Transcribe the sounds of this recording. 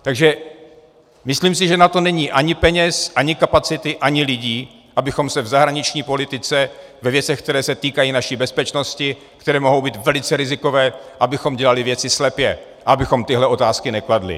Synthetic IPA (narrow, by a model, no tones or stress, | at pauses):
t̪aɡʒɛ | mɪsliːms̬ɪʒɛnat̪o̞nɛɲiːʔaɲɪpɛɲɛsʔaɲɪkapat͡sɪt̪ɪʔaɲɪlɪɟiː | ʔabɪxo̞msɛvzaɦɾaɲɪt͡ʃɲiːpo̞lɪt̪ɪt͡sɛ | vɛvjɛt͡sɛxk̚t̪ɛɾɛːsɛt̪iːkajiːnaʃiːbɛspɛt͡ʃno̞scɪ | kt̪ɛɾɛːmo̞ɦo̞wbiːt̪vɛlɪt͡sɛɾɪzɪko̞vɛːʔabɪxo̞mɟɛlalɪvjɛt͡sɪslɛpjɛ | ʔaabɪxo̞mt̪ɪɦlɛʔo̞t̪aːskɪnɛkladlɪ̰